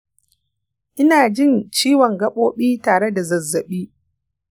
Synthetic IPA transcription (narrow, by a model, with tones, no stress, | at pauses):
ʔɪ˦naː˨d͡ʒɪ˦˨nt͡ʃiː˦wɔ˨ŋɡɐ˦ɓoː˦ɓiː˦taː˨ɽe˦da˨zɐ˨zːɐ˨ɓiː˦